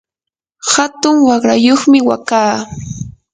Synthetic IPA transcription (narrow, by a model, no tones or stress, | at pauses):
hat̪ʊŋwɑχɾajoχmɪwakaː